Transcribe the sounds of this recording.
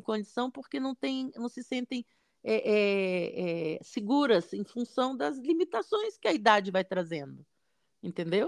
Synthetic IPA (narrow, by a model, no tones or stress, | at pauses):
kõd͡ʒisɐ̃w̃poɾkenɐ̃w̃t̪ẽj̃nɐ̃w̃sɪsẽnt̪ẽj̃ | ɛʔɛɛsɪɡuɾɐzẽj̃fũsɐ̃w̃d̪ɐzlimit̪asõj̃skɪɐid̪ad͡ʒɪvajt̪ɾazẽnd̪ʊ | ẽt̪ẽnd̪ew